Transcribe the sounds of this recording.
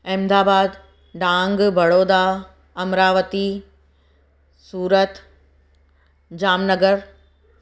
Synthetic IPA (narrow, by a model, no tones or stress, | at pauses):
ɪ̃md̪aːbaːd̪ | ɖãːŋɡbɐɽoːd̪a | ɐmɾaːʋət̪i | suːɾət̪ | d͡ʑaːmnəɡəɾ